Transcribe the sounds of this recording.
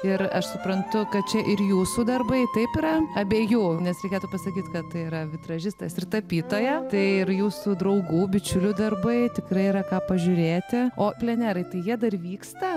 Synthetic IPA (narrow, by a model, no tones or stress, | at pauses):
ɪɾɐʃsʊpɾɐnt̪ʊkɐt̪̚t͡ʃʲɛʔɪrjuːsuːd̪ɐrbɐɪt̪ɐɪpɪɾɐɐbʲeːjuːnʲɛsɾʲɛɪkʲeːt̪uːpɐsɐkʲiːt̪ʲkɐt̪t̪ɐɪiɾɐʋʲɪt̪ɾɐʒʲɪst̪ɐsɪrt̪ɐpʲiːt̪oːjɛt̪ɐɪɪɾjuːsud̪ɾɐʊɡuːbʲɪt͡ʃʲʊlʲʊd̪ɐrbɐɪt̪ʲɪkɾɐɪiɾɐkɑːpɐʒʲʊɾʲeːt̪ʲɪoːpʲlʲɛnʲæːɾɐɪt̪ɐɪjiɛd̪ɐrʋʲiːkst̪ɐ